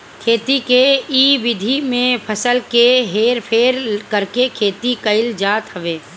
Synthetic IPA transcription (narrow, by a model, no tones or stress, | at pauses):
kʰeːt̪ikeiːʋɪd̪ʱimẽpʰəsəlkeɦeːɾpʰeːɾkəɾkekʰeːt̪ikəɪld͡ʒaːt̪ɦəʋeː